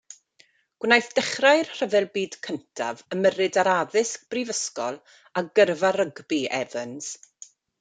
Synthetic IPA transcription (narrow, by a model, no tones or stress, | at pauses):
ɡ̥wnajθd̥ɛχrajrr̥əvɛlˠbiːd̥kʰəntʰa̰vəmərɨdaɾaðɪsk̚b̥rivəskɔlˠ | aɡərvaɾəɡbiɛvənz̥